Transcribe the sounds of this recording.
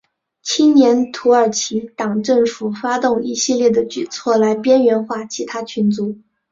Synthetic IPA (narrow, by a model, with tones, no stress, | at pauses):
t͡ɕʰi˥nnjɛ˧˥nt̪ʰu˧˥ə˞˨˩t͡ɕʰi˧˥ŋt̪ɑ˨˩ŋʈ͡ʂɤ˥˩ŋfu˨˩fa˥t̪ʊ˥˧ŋi˥˧ɕi˥˧ljɛ˥˩d̪ə˩t͡ɕy˨˩t͡sʰwɔ˥˩la˧˥ɪpjɛ˥nɥɛ˧˥nxwa˥˩t͡ɕʰi˧˥t̪ʰa˥t͡ɕʰy˧˥nt͡su˧˥